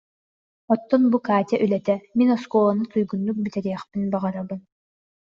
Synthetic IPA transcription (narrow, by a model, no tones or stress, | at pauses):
ɔt̪ːɔnbukaːt̪ʲɛʔylɛt̪ɛminɔskɔlˠanɯt̪ujɡunːuk̚bit̪ɛɾiɛχpinbaʁaɾabɯn